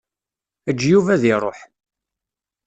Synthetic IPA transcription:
əd͡ʒːjuvæðɪɾˤo̰ħ

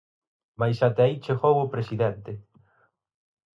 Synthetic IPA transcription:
majsat̪eait͡ʃexowʊpɾesiðɛnt̪ɪ

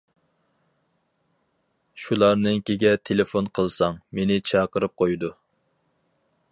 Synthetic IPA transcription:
ʃulˠɑɾnɨŋkʲeɡʲɛt̪ʰelɪfonqʰəlˠsɑŋmenɪt͡ʃʰɑqəɾɨp̚qʰojd̪u

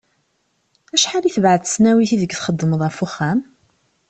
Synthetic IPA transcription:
æʃħaliθvʕəθə̥snæwiθiðəɡθχəd̪ːəməðˤæfʊχːæm

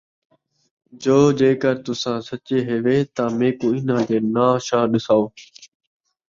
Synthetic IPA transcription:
d͡ʒoːd͡ʒeːkəɾt̪ʊsãːsət͡ʃeːɦeːʋeːt̪ãːmẽːkõːɪnãːt̪eːnaːʃaːɗɪsaːoː

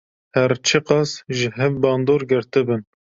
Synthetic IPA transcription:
hɛɾt͡ʃʰɨqɑsʒɪɦɛvbɑːnd̪oːɾɡɪɾt̪ɨbɨn

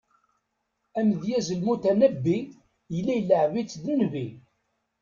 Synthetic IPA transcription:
æmðjæzəlmut̪ænəbːi | jəlːæjləʕvit͡sːd̪ənvi

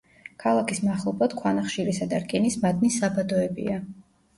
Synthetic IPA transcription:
kʰalˠakʰismaχlˠɔbad̪̥kʰwanaχʃiɾisad̪aɾkʼɛnismad̪nisabad̪ɔɛbḭa

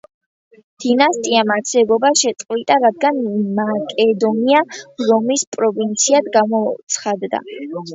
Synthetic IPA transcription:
d̪̥inast̪ʼiamaɾsɛbɔbaʃɛt̪sʼqʼwit̪ʼaɾad̪̚ɡanmakʼɛd̪ɔniaɾɔmispʼɾɔvint̪sʰiad̪ɡamɔt̪sʰχad̪d̪a̰

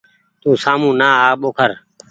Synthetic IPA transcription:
t̪ũːsaːmũːnaːɦaːɓoːkʰəɾ

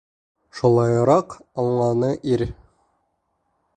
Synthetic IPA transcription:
ʃulˠɑjɾɑqɑɴlˠɑnɤʔiɾ

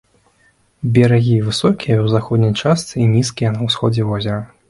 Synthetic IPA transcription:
bʲɛɾaɣʲivɨsɔkʲijɐwzaxɔd̪nʲijt͡ʂast̪sɨinʲiskʲijɛnɐwsxɔd͡zʲɛvɔzʲɐɾɐ

